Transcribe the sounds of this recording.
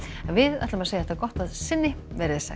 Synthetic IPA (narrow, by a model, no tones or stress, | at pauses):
ɛnvɪða̰jt̪lamɛaseːjaɛ̥t̪aɾkɔht̪aðsɪnːɪvɛɾɪðsɛ̰